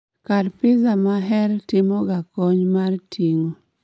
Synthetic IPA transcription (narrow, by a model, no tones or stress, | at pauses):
kadpɪzamaɦɛɾtɪmɔɡakɔɲmartʰiŋo